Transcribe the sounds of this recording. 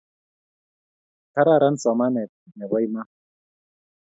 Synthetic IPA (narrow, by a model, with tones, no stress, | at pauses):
ta˦ɾa˦˨ɾə˦n̩˦sɔ˨ma˦nɛ˨ | nɛ˨bɔ˦i˦ma˦